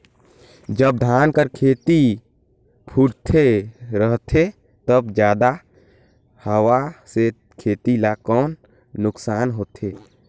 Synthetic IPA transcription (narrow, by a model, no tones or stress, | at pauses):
d͡ʒəb̚d̪ʱaːnkəɾkʰeːt̪i | pʰuɽt̪ʰeɾəɦt̪ʰe | t̪əbd͡ʒjaːd̪a | həwase | kʰeːt̪ilakɔːnː | ʊksaːnɦoːt̪ʰeː